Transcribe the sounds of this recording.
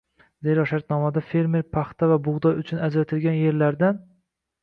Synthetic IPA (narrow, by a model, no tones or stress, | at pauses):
zeɾɒʃaɾt̪nɒmad̪afe̞ɾme̞ɾpʰaχt̪ʰavabʊʁd̪ɒjʊt͡ʃʰʊnad͡ʒɾat̪ʰɪlɡʲanje̞ɾlaɾd̪an